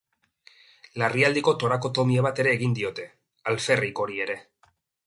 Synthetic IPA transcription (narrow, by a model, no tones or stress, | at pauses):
lariald̪iko̞t̪o̞ɾako̞t̪o̞miaβ̞at̪e̞ɾe̞ːɣind̪io̞t̪e̞ | alfe̞riko̞ɾie̞ɾe̞